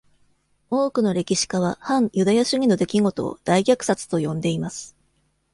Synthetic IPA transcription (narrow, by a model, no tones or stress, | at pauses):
o̞ːkɯ̟no̞ɾe̞kʲiɕi̥kaβ̞ahãɰ̃jɯ̟d̪ajaɕɨɲ̟ino̞d̪e̞kʲiɡo̞t̪o̞̰ːd̪̥aiɡʲakɯ̟̥sat͡sɨ̥t̪o̞jõ̞nd̪e̞imasɨ̥